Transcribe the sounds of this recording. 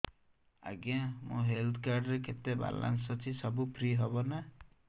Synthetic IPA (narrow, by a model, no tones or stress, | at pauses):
a̰ɡamũɦelt̪ʰkaɾɖɾeket̪eba̰la̰ns̬ɔt͡ʃʰisɔbupʰɾiɦɔbɔna